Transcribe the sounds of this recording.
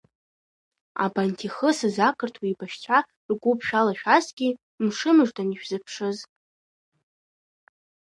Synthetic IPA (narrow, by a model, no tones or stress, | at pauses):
a̰bantʰiχəsɨzakʰʼɨrtʰwiibaʃt͡sʷʰa | rɡʷupʰʃᶣalaʃᶣasɡʲi | mʂɨmɨʐdaniʃᶣzɨpʰʂɨz